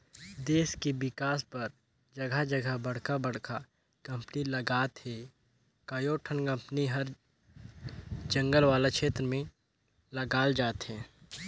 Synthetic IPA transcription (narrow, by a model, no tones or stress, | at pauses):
d̪eːskebɪkaːspɐɾ | d͡ʒɐɡʱəd͡ʒɐɡʱəbɐɽ̤kabɐɽ̤ka | kɐ̃mpnilɐɡaːt̪hɛː | kajoːʈʰənkɐ̃mpniɦɐɾ | d͡ʒɐ̃ŋɡəlʋaːlakʃʰeːt̪ɾəmẽ | lɐɡaːld͡ʒaːt̪ɦɛ̃ː